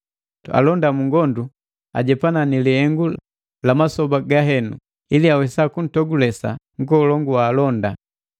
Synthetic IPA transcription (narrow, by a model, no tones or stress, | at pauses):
ua̰lɔndamuŋɡɔndu | a̰ɟɛpananiliɛŋɡu | lamasɔbaɡaɦɛnṵ | iliawɛsakun̩tɔɡulɛsa̰ŋ̩ɡɔːlɔŋɡuwaːlɔnda